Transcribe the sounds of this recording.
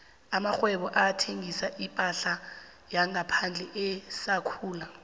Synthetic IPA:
amaxwɛɓɔʔatʰeŋisaʔipʼaɬa | jaŋapʰand͡ɮʱɛʔɛsakʰuːla

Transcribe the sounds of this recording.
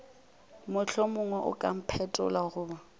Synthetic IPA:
mʊɬʰɔmʊŋwɛʔʊ̰kʼa̰m̩pʰɛtʼɔ̰laɣʊːba

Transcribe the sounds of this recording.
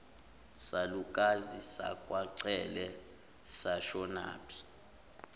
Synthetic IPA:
salukʼazisa̰kʼwaǀɛlɛ | saʃɔna̰ːpʰi̥

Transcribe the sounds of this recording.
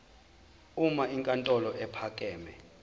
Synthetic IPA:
umaiŋkʼantʼɔlɔʔɛpʰakʼɛːmɛ

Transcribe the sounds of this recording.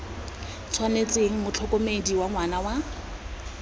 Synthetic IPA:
t͡sʰwanet͡sʼeŋ̩mʊt͡ɬʰɔkʼɔmediwaŋwanawa

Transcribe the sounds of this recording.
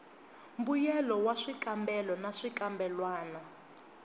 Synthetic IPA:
mbujɛlɔwaʂikʼambɛlɔnaʂikambɛlwaːna

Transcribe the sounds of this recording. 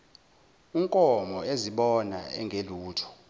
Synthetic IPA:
iŋkʼɔmɔeziɓɔna̰ɛ̰ŋɡʱeluːtʰɔ̥

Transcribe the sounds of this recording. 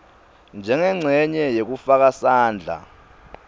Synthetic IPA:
nd͡ʒʱɛŋɛŋ͡ǀʱɛɲɛjek̬ufak̬asaːnd͡ɮʱa̰

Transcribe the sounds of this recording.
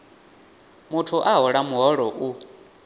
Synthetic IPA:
mutʰuʔaɦɔɺamuɦɔɺɔʔu

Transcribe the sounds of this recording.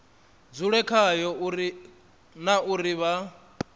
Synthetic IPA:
d͡zuɺɛkʰajɔui | naʔuɾiβa

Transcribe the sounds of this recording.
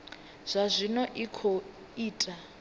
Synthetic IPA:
z̥ʷazʷinɔʔikʰo | iːtʼa

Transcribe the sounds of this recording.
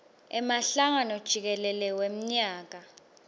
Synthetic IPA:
ɛmaɬaŋanɔd̥ʒ̥ʱik̬ɛlɛlɛwem̩ɲaːk̬a

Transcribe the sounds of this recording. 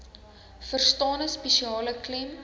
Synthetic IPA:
fərstɑːnəspɛʃiɑːləklɛm

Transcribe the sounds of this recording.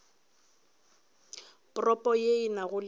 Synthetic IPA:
pʼrɔpʼɔjeɪnaɣʊl

